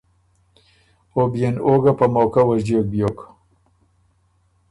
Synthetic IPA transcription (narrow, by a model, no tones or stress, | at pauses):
objenoɡapamoːkawɐzdek̚bjok